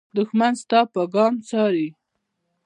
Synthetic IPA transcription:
d̪ʊxmanst̪ɑpəɡɑmt͡sɑɾi

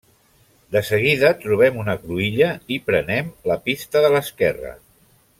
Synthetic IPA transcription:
d̪əsəɣ̞iðət̪ɾuβ̞ɛmunəkɾuiʎəipɾənɛmləpist̪əðələskɛrə̰

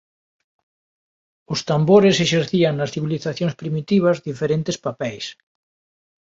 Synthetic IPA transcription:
ost̪amboɾeseʃeɾθiaŋnasθiβ̞iliθaθjõŋspɾimit̪iβ̞azðifeɾent̪espapɛjs

